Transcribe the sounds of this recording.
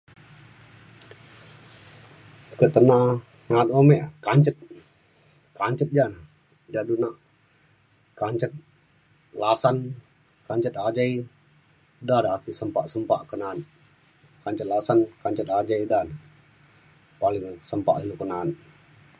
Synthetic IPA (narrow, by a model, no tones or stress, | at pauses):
kət̪əna | nat̪omɛʔkaɲt͡ʃət̪̚ | kaɲt͡ʃət̪̚d͡ʒana | d͡ʒadunaʔ | kaɲt͡ʃət̪̚ | lasan | kaɲt͡ʃət̪ad͡ʒai | daɾakisəmpaʔsəmpaʔkənan | kaɲt͡ʃət̪̚lasankaɲt͡ʃət̪̚ad͡ʒajdana | palɪŋsəmpa̰ʔilukənan